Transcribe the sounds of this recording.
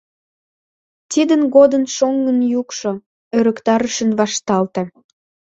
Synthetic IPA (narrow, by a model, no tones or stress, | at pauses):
t̪id̪ənɣod̪ənʃoŋɡənjukʃo | øɾəkt̪ɑɾəʃənβɑʃt̪ɑlt̪e